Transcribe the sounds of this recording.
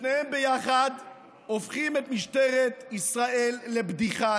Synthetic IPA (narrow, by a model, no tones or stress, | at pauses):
nehembejaχad̪ | ofχimet̪miʃt̪eʁet̪isʁaʔelːebd̪iχa